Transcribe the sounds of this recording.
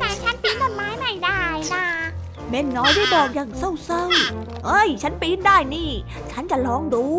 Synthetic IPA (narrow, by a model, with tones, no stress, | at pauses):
aː˨˩t͡ɕʰa˨˦˥npi˨˦nt̪ɔ˧˩maː˨˦jma˧˩jzaː˧˩jnaː˧˩ | me˧˩nːɔ˨˦jvəː˨˦jɓɔː˨˩nza˨˩ŋsə˧˩wsəː˧w | ʔəː˧˩jt͡ɕʰa˨˦˥npi˨˦nɗaː˧˩jni˧˩ | t͡ɕʰa˨˥nt͡ɕaː˧˩lɔ˨˦ŋɗu˨˦